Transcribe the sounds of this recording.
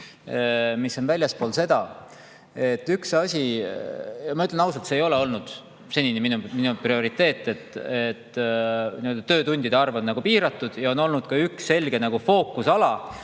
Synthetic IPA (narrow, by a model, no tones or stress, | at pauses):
misːo̞nvælʲjɑspolse̞d̪̥ɑ | e̞t̪ːyksɑsʲi | jɑmɑyt̪lenɑws̬ɑlt̪seːjo̞leo̞lnud̪̥ | se̞nʲineminuminuprio̞ɾit̪ːe̞ːt̪ˑːe̞t̪ːˑet̪ːniø̞ld̪̥ɑt̪øːt̪unʲd̪̥id̪̥eɑrvɑnnɑɡ̥upiːɾɑt̪ːˑud̪̥jɑo̞no̞lnud̪̥̚kɑyksːe̞lʲɡ̥e̞nɑɡ̥ufo̞ːkːˑusɑlɑ